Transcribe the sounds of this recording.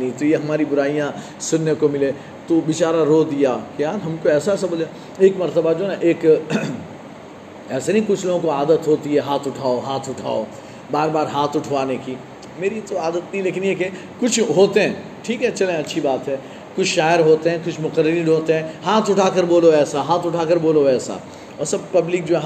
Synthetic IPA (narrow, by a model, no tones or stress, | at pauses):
nit̪ojeɦɐmaːɾibʊɾaːijã | sʊnːekomɪle | t̪oʋɪt͡ʃaːɾaɾod̪ijakjaːɾɦɐmkoɛːsaɛːsaboːla | eːkmɐɾt̪əbad͡ʒoːnaʔeːk | ɛːsenĩkʊt͡ʃʰloːɡõkoaːd̪ət̪ɦoːt̪iɦɛɦaːt̪ʰʊʈʰaːoɦaːt̪ʰʊʈʰa̰ːo̰ | baːɾbaːɾɦaːt̪ʰʊʈʰʋaːneki | meːɾit̪oaːd̪ət̪nɐɦĩleːkɪnjeke | kʊt͡ʃʰɦoːt̪eɦɛ̃ː | ʈʰiːkɦɛt͡ʃɐlẽɐtːʃʰibaːt̪ɦɛː | kʊt͡ʃʰʃaːjəɾɦoːt̪eɦɛ̃kʊt͡ʃʰmʊqəɾːəɾiːɾɦoːt̪eɦɛ̃ːɦaːt̪ʰʊʈʰaːkəɾboːloɛːsaɦaːt̪ʰʊʈʰaːkɐɾboːloɛːsa̰ | ɔːɾsɐb̚pɐblɪk̚d͡ʒo